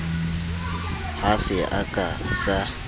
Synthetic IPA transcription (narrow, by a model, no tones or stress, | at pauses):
hasɪʔakʼasa